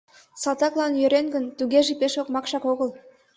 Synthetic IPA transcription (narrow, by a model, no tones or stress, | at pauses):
sɑt̪ɑklˠɑnjø̆ɾenɡə̆nt̪yɣʲeʒipeʃokmɑkʃɑkoɣəl